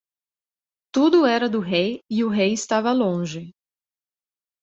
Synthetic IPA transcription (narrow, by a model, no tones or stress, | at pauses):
t̪ud̪ʊɛɾɐd̪ʊɦejiʊɦejɪst̪avɐlõʒɪ